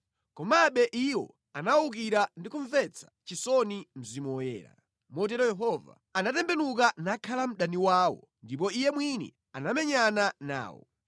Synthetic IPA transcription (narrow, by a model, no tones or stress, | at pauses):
kɔmaɓɛʔiwɔ̰ | anauk̬iɾandikuɱvɛt͡sʰḁt͡ʃisɔnim̩zimɔjɛ̰ːɾa̰ | mɔtɛɾɔjɛɦɔva̰ | anatɛmbɛnukanakʰalam̩ɗaniwaːwɔ̰ | ndip̬ɔijɛmwinɛ̰ | anamɛɲanana̰ːwɔ̰